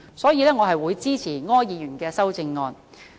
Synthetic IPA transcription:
sɔː˨˥jiː˨˧lɛː˥ŋɔː˨˧ɦɐ˨jwuː˨˧jt͡siː˥t͡sʰiː˨˩ŋɔː˥njiː˨˧jyː˨˩nkɛː˧sɐ˥wt͡sɪ˧ŋːɔː˧n

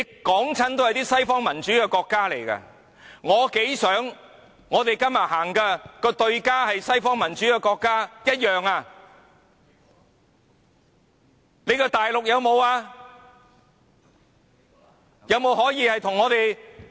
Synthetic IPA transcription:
e˧kɔː˨˥ŋt͡sʰɐ˥nt̪o˥whɐ˨jt̪iː˥sɐ˥jfɔː˥ŋmɐ˨˩nt͡ʃyː˨˥kɛː˧kɔː˧kːaː˥le˨˩jkɐ̰˧ | ŋɔː˨˧ke˨˥jsœː˨˥ŋ | ŋɔː˨˧t̪e˨jkɐ˥mɐ˨t̚ɦaː˨˩ŋkɛ˧kɔː˧t̪ɵ˧ɥkaː˥hɐ˨jsɐ˥jfɔː˥ŋmɐ˨˩nt͡ʃyː˨˥kɛː˧kɔː˧kːaː˥jɐ˥t̚jœː˨ŋaː˧ | ne˨˧jkɔː˧t̪aː˨jlʊ˨k̚jɐ˨˧wmo˨˧waː˧ | jɐ˨˧wmo˨˧wɦɔː˨˥jiː˧hɐ˨jt̪ʰʊ˨˩ŋːɔː˨˧t̪e˨j

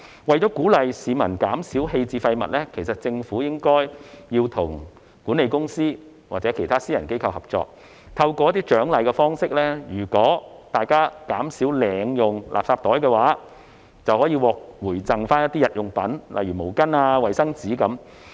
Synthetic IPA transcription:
wɐ˨˩jt͡ʃɔ˨˥kuː˨˥lɐ˨jsiː˨˧mɐ˨˩nkaː˨˥msiː˨˥wɦe˧jt͡siː˧fɐ˧jmɐ̰˨t̚lɛː˥kʰe˨˩jsɐ˨t̚t͡sɪ˧ŋfuː˨˥jɪ˥ŋkɔː˥jjiː˧wt̪ʰʊ˨˩ŋ | kuː˨˥nːe˨˧jkʊ˥ŋsiː˥ | waː˨k̚t͡sɛ˨˥kʰe˨˩jt̪ʰaː˥siː˥jɐ˨˩nke˥jkʰɐ˧whɐ˨˩p̚t͡ʃɔ̰ː˧k̚ | t̪ʰɐ˧wkɔː˧jɐ˥t̪iː˥t͡ʃœː˨˥ŋlɐ˨jkɛ˧fɔː˥ŋsɪ˥k̚lɛː˥jyː˨˩kɔː˨˥ | t̪aː˨jkaː˥kaː˨˥msiː˨˥wlɛː˨ŋjʊ˨ŋlʔa̰ː˨p̚saː˧p̚t̪ɔː˨˥jkɛ˧waː˨˥ | t͡sɐ˨whɔː˨˥jiː˧wɔː˨k̚wuː˨˩jt͡sɐ˨ŋfaː˥njɐ˥t̪̚ːiː˥jɐ˨t̚jʊ˨ŋpɐ˨˥nlʔɐ̰˨jɥyː˨˩mo˨˩wkɐ˥naː˧wɐ˨jsɐ˥ŋt͡siː˨˥kɐ˨˥m

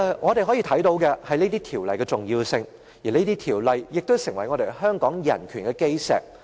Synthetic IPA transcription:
ŋʔɔː˨˧ɾe˨jɦɔː˨˥jiː˨˧t̪ʰɐ˨˥jt̪o˨˧wkɛ˧hɐ˨jne˥t̪iː˥t̪ʰiː˨˩wlɐ̰˨jkɛː˧t͡sʊ˨ŋjiː˧wsɪ˧ŋ | jiː˨˩ne˥t̪iː˥t̪ʰiː˨˩wlɐ˨jːɪ˨k̚t̪o˥wsɪ˨˩ŋwɐ˨˩jŋɔː˨˧ɾe˨jɦœː˥ŋkɔː˨˥ŋjɐ̰˨˩nkʰyː˨˩nkɛː˧ke˥jsɛ̰ː˨k̚

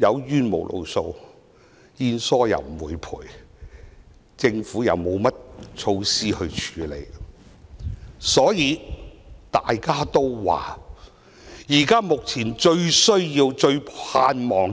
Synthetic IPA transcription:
jɐ˨˧wjyː˥nmo̰˨˩wlʔo̰˨˧wso˧w | jiː˧nsɔː˥jɐ̰˨˩wm̩˨˩wuː˨˧jpʰṵː˨˩j | t͡sɪ˧ŋfuː˨˥jɐ̰˨˧wmo˨˧wmɐ˥t̚t͡ʃʰo˧wsiː˥hɵ˧ɥt͡ʃʰyː˨˥le˨˧j | sɔː˨˥jiː˨˧ | t̪aː˨jkaː˥t̪o˥wwa̰ː˨˩ | jiː˨˩kaː˥mʊ˨k̚t͡sʰiː˨˩nt͡ʃɵ˧ɥsɵ˥ɥji˧wt͡ʃɵ˧ɥpʰaː˧nmɔː˨˩ŋ

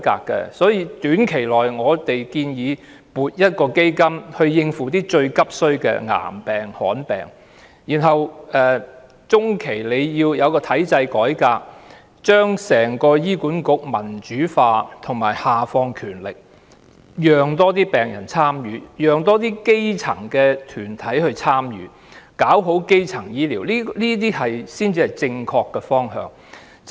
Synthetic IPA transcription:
ka̰ː˧kːɛ̰˧sɔː˨˥jiː˧t̪yː˨˥nkʰe˨˩jlɔː˨jŋɔː˨˧t̪e˨jkiː˧njiː˨˧ | puː˨t̚jɐ˥t̚kɔː˧ke˥jkɐ˥mhɵ˧ɥjɪ˧ŋfuː˨˩t̪iː˥t͡ʃɵ˧ɥkɐ˥p̚sɵ˥ɥkɛ̰˧ŋa̰ː˨˩mpɛː˨ŋhɔ̰ː˨˥npɛ̰ː˨ŋ | jiː˨˩nɦɐ˨wɛː˨ | t͡sʊ˥ŋkʰe˨˩jle˨˧jjiː˧wjɐ˨˧wkɔː˧t̪ʰɐ˨˥jt͡sɐ˧jkɔː˨˥jkaː˧k̚ | t͡ʃœː˥ŋsɛː˨˩ŋkɔː˧jiː˥kuː˨˥nkʊ˨˥k̚mɐ˨˩nt͡ʃyː˨˥faː˧t̪ʰʊ˨˩ŋma̰ː˨˩jhaː˨fɔː˧ŋkʰyː˨˩nlɪ˨k̚ | jœː˨ŋt̪ɔː˥t̪iː˥pɛː˨˩ŋjɐ̰˨˩nt͡sʰaː˥mjyː˨˧˥jœː˨ŋt̪ɔː˥t̪̬iː˥ke˥jt͡sʰɐ˨˩ŋkɛː˧t̪ʰyː˨˩nt̪ʰɐ˨˥jhɵ˧ɥt͡sʰaː˥mjy̰ː˨˥ | kaː˨˥wɦo˨˥wke˥jt͡sʰɐ˨˩ŋjiː˥liː˨˩wliː˥liː˥t̪̬iː˥hɐ˨jsiː˥nt͡siː˧hɐ˨jt͡sɪ˧ŋkʰɔː˧kːɛ˧fɔː˥ŋɦœ̰ː˧ŋ

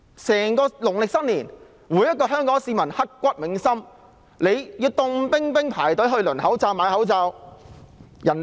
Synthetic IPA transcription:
sɛː˨˩ŋkɔː˧lʊ˨˩ŋlɪ˨k̚sɐ˥t̚niː˨˩n | wuː˨˧˥jɐ˥t̚kɔː˧ɦœː˥ŋkɔː˨˥ŋsiː˧mɐ˨˩nhɐ˥t̚kːʷɐ˥t̚mɪ˨˥ŋsɐ˥m | le˨˧jjiː˧wt̪ʊ˧ŋpɪ˥ŋpɪ˥ŋpʰaː˨˩jt̪ɵ˨˥ɦɵ˧ɥlɵ˨˩nhɐ˨˥wt͡saː˧wmaː˨˧˥hɐ˨˥wt͡saː˧w | jɐ˨˩n

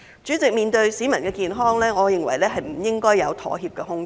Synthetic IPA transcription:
t͡ʃyː˨˥t͡sɪ˨k̚miː˨nt̪ɵ˧ɥsiː˨˥mɐ˨˩nkɛː˧kiː˨nɦɔː˥ŋlɛː˥ŋɔː˨˧jɪ˨ŋwɐ˨˩jlɛː˥ɦɐ˨jm̩˨˩jɪ˥ŋkɔː˥jɐ˨˧wt̪ʰɔ̰ː˨˩ɦiː˧p̚kɛː˧ɦʊ˥ŋ

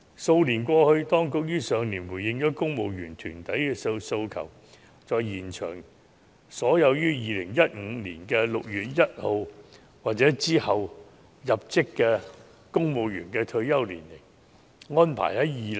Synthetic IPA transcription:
so˧wliː˨˩nkʷɔː˧hɵ˧ɥt̪ɔː˥ŋkʊ˨k̚jyː˥sœː˨˧ŋliː˨˩nwu˨˩jɪ˧ŋjɔː˨˥kʊ˥ŋmo˨˧wjyː˨˩nt̪ʰyː˨˩nt̪ɐ˨˥jkɛ˧sso˧wkʰɐ̰˨˩w | t͡sɔː˨jjiː˨˩nt͡ʃʰœ̰ː˨˩ŋ | sɔː˨˥jɐ˨˧wjyː˥jiː˨˧lɪ̰˨˩ŋjɐ˥t̚ŋ̩ː˨˧lḭː˨˩nkɛː˧lʊ˨k̚jyː˨t̚jɐ˥t̚ho˨˧w | waː˨t̚t͡sɛː˨˥t͡siː˥hɐ˨w | jɐ˨p̚t͡sɪ˥kːɛː˧ | kʊ˥ŋmo˨˧wjyː˨˩nkɛː˧t̪ʰɵ˧ɥjɐ˥wliː˨˩nle˨˩j | ŋɔː˥npʰa̰˨˩jhɐ˨˥jiː˨

